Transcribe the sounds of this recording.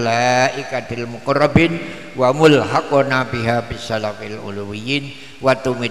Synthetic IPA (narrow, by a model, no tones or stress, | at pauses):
laʔikad̪ɪlmukɔrabɪn | wamʊlɦakɔnabiɦabisalafilʔṵluwijin | wat̪umi